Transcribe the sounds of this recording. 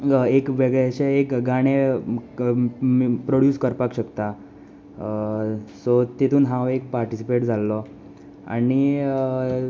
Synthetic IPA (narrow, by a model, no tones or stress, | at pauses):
ekʋeɡet͡ɕeekɡaɽ̃e | pɾoɽjuːskəɾpakɕəkt̪a | sɔt̪et̪ʰuːnɦãʋek̚paɾʈisipeʈd͡zʱalːɔ | a̰ni